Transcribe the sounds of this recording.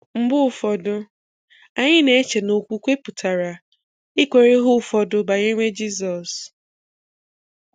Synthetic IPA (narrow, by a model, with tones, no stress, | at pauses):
m̩˦bʊ˦ʊ˨fɔ˨dʊ˦ | a˨ɲɪ˦ne˨e˦t͡ʃe˨no˨kʷu˦kʷe˦pʊ˨tʰa˨ɾa˨ | i˦kʷe˨ɾe˦ɦʊ˦˨fɔ˨dʊ˦ba˨ɲe˦me˦d͡ʒi˦zɔ˨s